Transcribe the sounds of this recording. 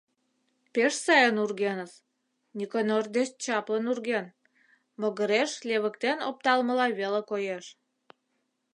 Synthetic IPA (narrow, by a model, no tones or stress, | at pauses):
peʃsɑjənurɣenəs | nʲikonord̪est͡ɕɑplənurɣen | məɣəɾeʃlʲeβə̆kt̪enop̚t̪ɑlmə̆lɑβelekojeʃ